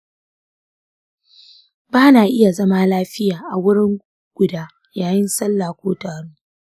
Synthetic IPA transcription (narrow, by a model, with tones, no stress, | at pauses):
baː˦naː˨ʔɪ˦ja˨zɐ˦maː˦laː˦ɸɪ˦jaː˨ʔa˨wʊ˦ɽɪ˦ŋ | ɡ̥ʷʊ˨daː˦ | jaː˨jɪ˦nsɐ˦lːaː˨kʷoː˦taː˨ɽuː˦